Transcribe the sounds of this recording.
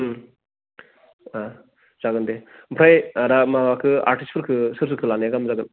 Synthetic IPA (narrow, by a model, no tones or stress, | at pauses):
a | z̥aɡɯndepʰɾajɾamaɡakʰɯa̰ɾʈispʰɯɾkʰɯsɯɾs̬ɯkʰɯlaniaɡamzaɡɯn